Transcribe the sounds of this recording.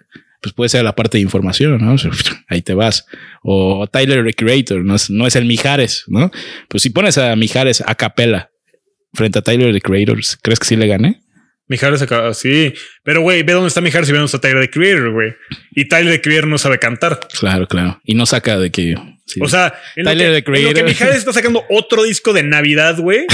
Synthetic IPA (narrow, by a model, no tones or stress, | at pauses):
pwespwe̞ðese̞ɾlapaɾt̪eðiɱfo̞ɾmasjo̞nːoseait̪e̞βasot̪ajleɾðekɾiejt̪oɾnoesno̞e̞se̞lmixaɾe̞sno̞pwesːipo̞ne̞samixaɾe̞sa̰kape̞la | fɾe̞nt̪eat̪ajleɾðekɾiejɾo̰ɾskɾe̞skesile̞ɣane | mixaɾes̬akaasipe̞ɾo̞ɣwejbeðond̪est̪amixaɾesiβonest̪at̪ajleɾðekɾiejɾoɾɣwejit̪ajleɾðekɾieeɾno̞saβe̞kant̪aɾklaɾo̞klaɾoino̞sakaðekejo̰sioseatenlaojleɾðekɾieloɾeɾmixaɾesest̪as̬akand̪oʔot̪ɾoðisko̞ðe̞naβiðaðɣwej